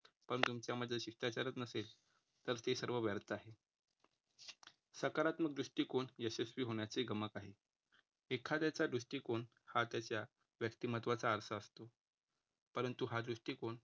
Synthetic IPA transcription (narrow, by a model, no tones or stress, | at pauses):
pəɳt̪umt͡ɕjaməd̪ʱəɕiʂʈat͡ɕaɾət̪nəsel | t̪əɾt̪esəɾʋəʋjəɾt̪aɦe | səkaɾat̪mək̚d̪ɾuʂʈiːkoɳesesʋiːɦoɳjat͡seɡʱəməkaɦe | ekʰat̪jat͡ɕad̪ɾuʂʈiːkoɳ | hat̪jat͡ɕja | ʋjəkt̪imət̪ʋat͡saəɾsəəst̪o | pəɾənt̪uɦad̪ɾuʂʈiːkoɳ